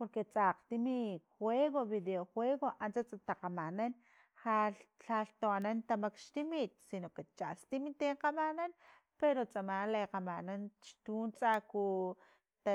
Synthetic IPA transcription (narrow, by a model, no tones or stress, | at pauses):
poɾket͡sʼaːqt̪imixweɣoβid̪eoxweːɣoʔant͡sat͡sʼat̪aqamanan | xalɬalt̪oanant̪amakʃt̪imit̪̚sinoket͡ʃast̪imit̪eɴqamanan | peɾot͡sʼamaːleqamanant͡ʃt̪uːnt͡sʼaku | t̪a